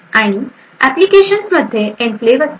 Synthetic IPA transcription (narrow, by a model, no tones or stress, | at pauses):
aɽ̃i | æplikeɕənsməd̪ʱːjeʔẽɳfleʋə